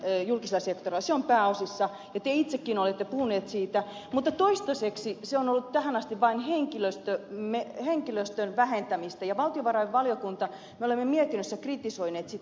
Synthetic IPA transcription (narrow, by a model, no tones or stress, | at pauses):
julkiselːˑɑsekt̪orilːɑseompæːosisːɑ | jɑt̪eit̪sekːiːnolet̪ːepuhuneːt̪siːt̪æmut̪ːɑt̪oist̪ɑseksiseonolːut̪t̪æhænɑst̪iʋʋɑinheŋkiløst̪ømeheŋkiløst̪ønʋæhent̪æmist̪æjɑʋɑlt̪ioʋɑrɑiʋʋɑljokunt̪ɑ | meolemːemiet̪inːøsːækrit̪isoineːt̪sit̪ː